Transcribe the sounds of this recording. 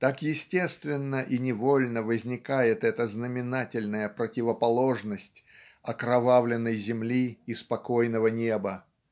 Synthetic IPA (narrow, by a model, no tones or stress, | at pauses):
t̪akjɪsʲtʲe̞st̪vʲɪnːəʔinʲɪvolʲnəvəzʲnʲɪkajɪt̪ɛt̪əznəmʲɪnatʲɪlʲnəjəpɾətʲɪvəpɐlˠo̞ʐnəsʲtʲ | ɐkɾɐvavlʲɪnːəjzʲɪmlʲiːspɐko̞jnəvənʲe̞bə